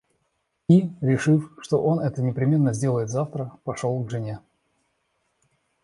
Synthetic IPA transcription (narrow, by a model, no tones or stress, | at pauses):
iɾʲɪʂɨfʂt̪o̞ʔo̞nɛt̪ənʲɪpɾʲɪmʲe̞nːəzʲdʲe̞lˠəjɪt̪zaft̪ɾəpɐʂolˠɡʐɨnʲe